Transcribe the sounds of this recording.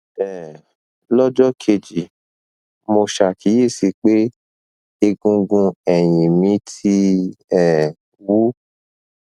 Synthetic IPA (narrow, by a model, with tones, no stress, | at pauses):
ɛ˨ | lɔ˦d͡ʒɔ˦kʰe˧d͡ʒi˨ | mo˧ʃa˨ki˨˦je˦˨si˧k͡pe˦ | e˧ɡũ˧ɡũ˧ɛ˨j̃ĩ˨mĩ˨˧˦tʰi˦ɛ˨ | wu˦